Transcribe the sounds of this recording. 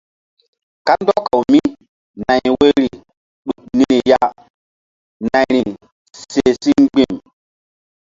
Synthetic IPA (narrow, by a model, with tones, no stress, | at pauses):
ka˦ndɔ˦ka˨wmi˦ | na˨jwe˦ɾi˨ | ɗu˨k̚ni˦ɾi˨ja˦ | nã˨jɾi˨ | se˨si˦ŋ͡mɡ͡bi˦˨m